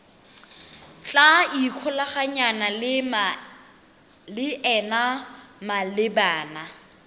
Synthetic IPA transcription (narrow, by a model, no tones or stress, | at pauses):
t͡ɬʼaikʰʊlaχaɲanal | lɪʔɛnamalɪbaːna